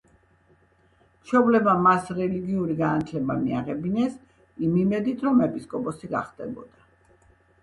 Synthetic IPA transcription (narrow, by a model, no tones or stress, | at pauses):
ʃɔblɛbamasɾɛliɡiuɾiɡanat̪ʰlɛbamia̰ʁɛbinɛs | imimɛd̪it̪ʰɾɔmɛpʼiskʼɔpʼɔsiɡa̰χd̪ɛbɔ̰d̪a